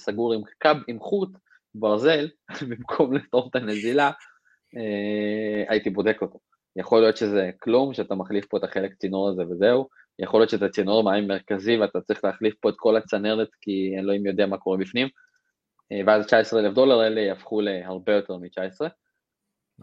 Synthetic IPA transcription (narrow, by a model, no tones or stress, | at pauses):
saɡuʁimkabimχut̪ | baʁze̞lbimkʰo̞mletaot̪anezila | e | a̰it̪ibo̞d̪e̞ko̞t̪o | jaχo̞lijo̞t̪ʃe̞ze̞klumʃeat̪amaχlifpo̞et̪aχe̞lekt͡sinoʁaze̞vezeu | jaχoljo̞tt͡ʃetat͡sinoʁmaimːeʁkaziveat̪at͡sʁiχleaχlifpo̞et̪ko̞lat͡saneʁet̪kienloimjo̞d̪eamako̞ʁebifnim | veazt͡ʃaesʁeelefd̪o̞laʁelejafχulehaʁbe̞jo̞t̪e̞ʁmit͡ʃaesʁe